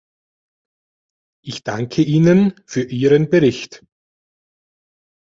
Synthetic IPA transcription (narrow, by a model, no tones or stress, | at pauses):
ʔɪçd̥aŋkʰəʔiːnənfyːɐʔiːʁənbəʁɪçt